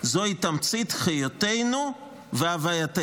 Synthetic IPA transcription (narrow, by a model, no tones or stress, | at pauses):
zo̞hit̪amt͡sit̪χijotejnu | veavajat̪e